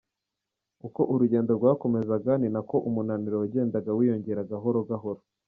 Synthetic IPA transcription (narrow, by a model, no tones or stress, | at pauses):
uko̞ʔuɾuɟe̞ːndoɾɡwaːko̞me̞zaɡaninako̞ʔumunaniɾowaɟe̞ːndaɡawiːjo̞ɲɟe̞ɾaɡaɦo̞ɾoɡaɦo̞ɾo